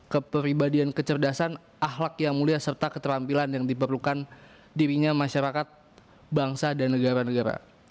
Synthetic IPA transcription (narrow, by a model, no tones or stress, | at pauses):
kəpəɾibadiankət͡ʃərdasan | ʔahlakjaŋmuliasərt̪akət̪əɾampilanjaŋdip̬ərlukan | diɾiɲamaʃaɾakat̪̚ | baŋsadanːəɡaɾanəɡaɾa̰